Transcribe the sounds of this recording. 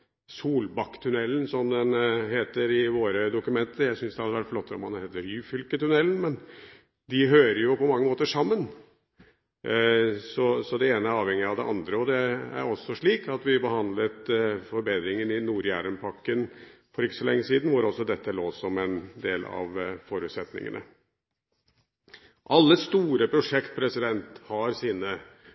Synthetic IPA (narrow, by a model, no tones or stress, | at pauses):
suːlbɑkːt̪ʰʉnɛlːnsɔmd̪ɛnɦeːt̪əɾɪʋoːɾəd̪ʊkʉmɛnt̪əɾjæɪsʏnsd̪ɛhɑd̪ːəʋæʈflɔt̪ːəɾɔ̰mɑnheːt̪əɾyːfʏlkət̪ʉnɛlːn̩mɛn | d̪ɪɦøːɾəjʊpɔmɑŋːəmoːt̪əʂɑmːən | sɔsɔd̪ɛeːnəæɾɑːʋhɛŋːɪɑʋd̪ɛʔɑnd̪ɾəɔd̪ɛæ̰ɾɔsːɔʂɭiːkɑt̪ʋɪbəhɑnd̪lət̪fɔɾbeːd̪ɾɪŋənɪnuːɾjæːɾənpʰɑkːənfɔɾɪkːəsɔlɛŋːəsiːd̪n̩ʋɑɾɔsɔd̪ɛt̪ːəloːsɔmɛnd̪eːlɑ̰ʋfɔɾʉːt̪sɛt̪nɪ̰ŋə̰nə̰ | ʔɑlːəst̪uːɾəpʰɾʊʂɛkt̪̚pʰɾɛsɪd̪ɛnt̪hɑɾsiːnə